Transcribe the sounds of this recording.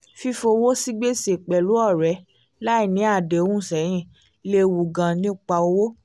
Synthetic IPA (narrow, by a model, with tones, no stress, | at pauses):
fi˧fo˧wo˦si˦ɡ͡be˦se˨k͡pɛ˨lu˨˦ɔ˦˨ɾɛ˨˦ | la˦i˦˨nĩ˨˦a˦˨de˨o˨˦ũ˦˨sɛ˨˦j̃ĩ˦˨ | le˧˦wu˨ɡã˨nĩ˦˨k͡pa˧o˧wo˦